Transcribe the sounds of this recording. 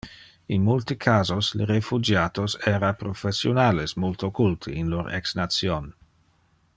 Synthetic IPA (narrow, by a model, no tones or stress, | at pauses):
inmult̪ikʰaːzosleɾefud͡ʒaːt̪osɛːɾapɾofesjonaːlesmolt̪okult̪ʰəinloɾɛ̰ksnat̪sjon